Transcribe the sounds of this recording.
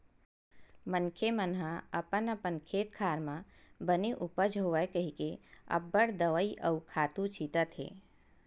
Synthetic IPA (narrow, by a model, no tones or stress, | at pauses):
mənkʰemənɦaɐpənəpənkʰeːt̪̚kʰaːɾmãbəneʔupəd͡ʒʱɦoʋəjkəɦikeɐ̰bːəɽd̪əʋəiʔəukʰaːt̪ut͡ʃʰiːt̪ət̪ɦḛː